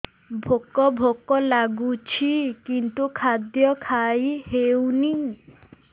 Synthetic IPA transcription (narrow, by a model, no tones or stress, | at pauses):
bʱokɔbʱokɔlaɡut͡ʃʰikint̪ukʰad̪jɔkʰajhewni